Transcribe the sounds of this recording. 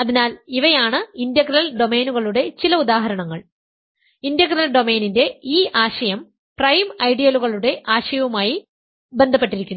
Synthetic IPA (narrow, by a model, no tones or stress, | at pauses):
ɐðinaːliʋɐjaːɳɨindjɐɡɾɐlɖo̞me̞ːnuɣɐɭuɽe̞t͡ɕilɐud̪aːɦɐɾɐɳɐŋːɐɭ | indɐɡɾɐlɖo̞me̞ːninde̞iːʔaːɕɐjɐm | prɐjmɐjɖijɐluɣɐɭuɽe̞ʔaːɕɐjɐʋumaːji | be̞nd̪ʱɐpːe̞ʈːiɾikʲːunː